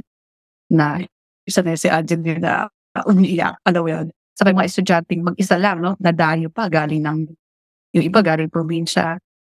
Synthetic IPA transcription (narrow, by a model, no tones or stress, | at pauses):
nɐ | ʔɪsanɐsɪʔad͡ʒɛnjonɐ̰ | ʔʊnʔɪja̰ʔɐlɐwjon | sɐmɐjmɐŋaʔɛst̪ʊd͡ʒant̪ɛŋmɐɡ̚ʔɪsalaŋno̞nɐd̪aːjopɐɡaːlɪŋnɐŋ | jʊŋʔɪbaɡaːɾɪŋpɾobinʃɐ̰